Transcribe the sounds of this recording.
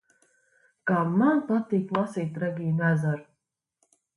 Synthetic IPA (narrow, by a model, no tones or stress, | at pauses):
kamːanpat̪ːiːklˠɑsiːt̪ɾaɡʲiːnæzaɾ